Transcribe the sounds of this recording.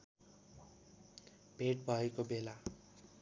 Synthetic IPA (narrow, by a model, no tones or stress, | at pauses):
bʱeʈ̚bʱʌekobela